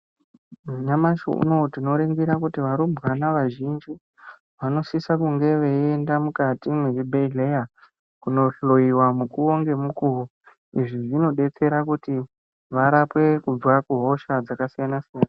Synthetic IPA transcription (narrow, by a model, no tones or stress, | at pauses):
mɲamaʃo̰ṵno̞tino̞ɾeŋɡiɾakutiʋaɾumbɣanaʋaʒind͡ʒi | ʋano̞sisakuŋɡe̞ʋeendamukatimwet͡ʃibʱeɮeja | kuno̞ɬo̞iwamukuo̞ŋɡe̞mukuru | iʐiʐino̞ɗe̞t͡se̞ɾakuti | ʋaɾapwe̞kud͡zwakuɦo̞ʃad͡zakasijanasijana